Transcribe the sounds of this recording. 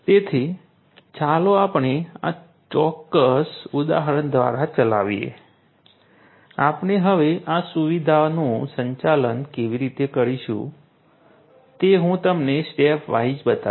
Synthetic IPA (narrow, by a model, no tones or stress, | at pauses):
t̪et̪ʰi | t͡ʃaloapɳea̰ | t͡ʃɔkːəsud̪a̰ɦəɾənd̪ʱʋa̰ɾat͡ʃəla̰ʋijḛ | apneɦəʋeʔasuʋid̪ʱanũsəɲt͡ʃalənkeʋiɾit̪ekəɾiʃṵ̃ | t̪eɦũt̪əmnesʈepʰʋaid͡ʒbət̪a̰